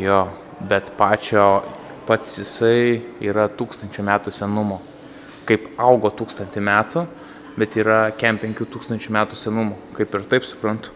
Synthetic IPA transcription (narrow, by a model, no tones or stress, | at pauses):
joː | bʲɛt̪pɑːt͡ʃʲoː | pɐt̪sjɪsɐɪiːɾɐt̪uːkst̪ɐnʲt͡ʃʲʊːmʲæːt̪ʊsʲɛnʊmoː | kɐɪpɐʊɡoːt̪uːkst̪ɐnʲt̪ʲɪmʲæːt̪ʊ | bʲɛt̪iːɾɐkʲɛmpʲɛŋʲkʲuːt̪uːkst̪ɐnʲt͡ʃʲumʲæːt̪ʊsʲɛnʊmʊːkɐɪpɪɾt̪ɐɪpsʊ̥pɾɐnt̪ʊ̥